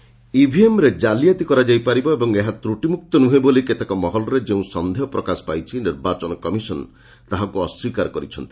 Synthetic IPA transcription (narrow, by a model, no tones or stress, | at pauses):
ibʱiemɾed͡ʒalijat̪ikɔɾad͡ʒajpaɾibɔebɔŋeɦat̪ɾuʈimuk̚t̪ɔnuɦeboliket̪ekɔmɔɦɔlɔɾed͡ʒeũsɔnd̪ʱeɔpɾɔkasɔ̥pajt͡ʃʰiniɾbat͡ʃɔnɔkɔmisɔn | t̪aɦakuɔswikaɾɔkɔɾit͡ʃʰɔnt̪i̥